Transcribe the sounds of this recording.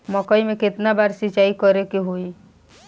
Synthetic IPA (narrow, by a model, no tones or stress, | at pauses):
mɔkəimẽkɪt̪nabaːɾsit͡ʃaikɔɾekeɦoi